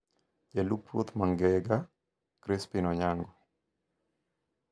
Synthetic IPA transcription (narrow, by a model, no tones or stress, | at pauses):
d͡ʒɛlupːo̰t̪maŋɡɛɡa | kɾɪspinɔɲaŋɡɔ